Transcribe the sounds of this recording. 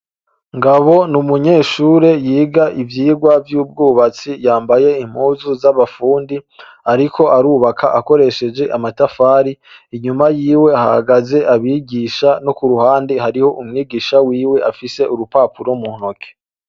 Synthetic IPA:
ŋɡaβo̞numuɲe̞ːʃuːɾe̞jiːɡaʔivjiːɡwavjuːb̚ɡuːβat͡sijaːmbaje̞im̥huːzuzaβafuːndi | aɾikʰo̞ʔaɾuːβakʰaʔako̞ɾe̞ʃe̞d͡ʒe̞ʔamatafaːɾi | iɲumajiːwe̞aha̰haɡaze̞ʔaβiːɡiːʃano̞kuɾuhaːndihaɾiho̞ʔumŋiːɡiːʃawiːwe̞ʔafise̞ʔuɾupaːpuɾomuhnokʰe̥

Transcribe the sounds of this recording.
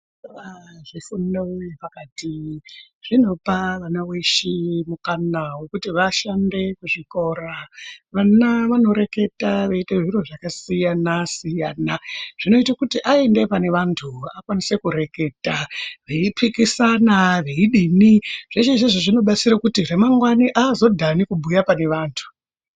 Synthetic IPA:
aʐifundaojepakati | ʐ̥ino̞paʋanawe̞ʃimukanawe̞kutiʋaʃande̞kuʐiko̞ɾaʋanaʋano̞ɾe̞ke̞taʋeiteʐiɾo̞ʐakasijanasijaːnaʐ̥ino̞itakutiʔaende̞pane̞ʋantʰuakwanise̞kuɾe̞ke̞taʋe̞ipʰikisanaʋe̞iɗiniʐ̥et͡ʃeʐeʐeʐino̞ɓat͡siɾakutire̞maŋɡwaniʔazo̞dʱanikubʱujapane̞ʋaːntʰu̥

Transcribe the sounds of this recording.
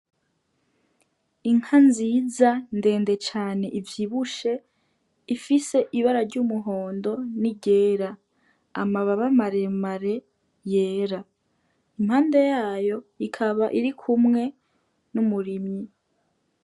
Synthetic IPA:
iŋ̥hanziːzande̞ːnde̞t͡ʃaːne̞ʔivjiːβuʃe̞ | ifise̞ʔiβaɾaɾɟumuɦo̞ːndo̞niɟe̞ːɾa | amaβaβamaɾe̞maɾe̞ | je̞ːɾa | imhaːnde̞jaːjo̞ikʰaβaʔiɾikʰumŋe̞ | numuɾimɲi

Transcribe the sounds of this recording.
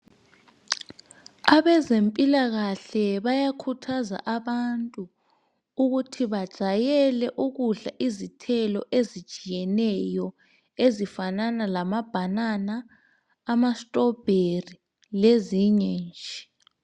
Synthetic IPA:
aβɛzempʼilaɣaɬɛβajakʰutʰaza̰ʔaβantʼuː | ɣutʰiβad̥ʒ̥ʱajɛlɛʔuɣuɮaʔizitʰɛlɔ̰ʔezid̥ʒ̥ʱʼijɛnɛjɔ | ezifananalamab̥ʱananaː | mastʼɔb̥ʱeri | leziɲɛnd͡ʒʱi

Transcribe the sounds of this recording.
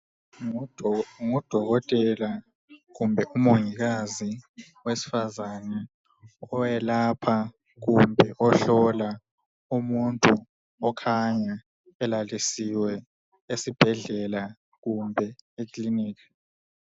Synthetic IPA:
ŋud̥ʱɔɣɔtʼɛla | ɣumbʱɛʔumoŋiɣazi | wesi̥fazanɛ | ɔjɛlapʰa | ɣumbʱɛʔɔɬɔla | umuntʼu | ɔkʰaɲa | ɛlalisiwɛ | esib̥ʱɛɮɛla | ɣumbʱɛikʼliniːkḁ

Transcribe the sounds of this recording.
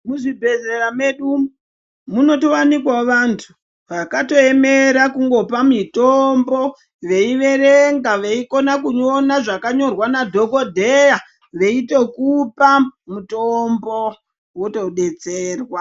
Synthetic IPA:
muʐibʱe̞zerame̞ɗu | muno̞towanikwaʋantʰu | ʋakato̞e̞me̞ɾakuŋɡo̞pamitombo̞ | ʋe̞iʋe̞reŋɡaʋe̞iko̞nakuɲo̞naʐakaɲo̞rwanadʱo̞ɡo̞dʱeja | ʋe̞ito̞kupamutombo̞ | woto̞ɗe̞t͡seːrwa

